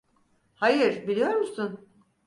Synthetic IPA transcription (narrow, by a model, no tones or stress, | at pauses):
hajɯɾbilʲijo̞ɾmusun